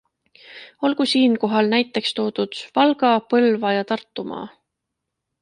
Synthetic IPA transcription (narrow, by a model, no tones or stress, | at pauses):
o̞lkusiːnko̞ɦɑlnæjt̪ˑːe̞kst̪o̞ːd̪̥ud̪̥vɑlɡ̥ɑpɤlvɑjɑt̪ɑrt̪ːˑumɑ̰ː